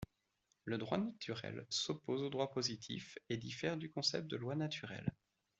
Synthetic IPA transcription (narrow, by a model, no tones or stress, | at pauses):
ləd̪ʁwanat̪ʰyʁɛ̰lsɔpozod̪ʁwapozit̪ʰḭfed̪ifɛʁd̪ykɔ̃sɛ̰p̚t̪̚d̪əlwanat̪ʰyʁɛ̰l